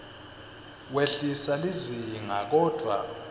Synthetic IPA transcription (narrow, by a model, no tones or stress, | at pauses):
weɬisaliziŋa̰k̬ɔːd̥ʱwa̰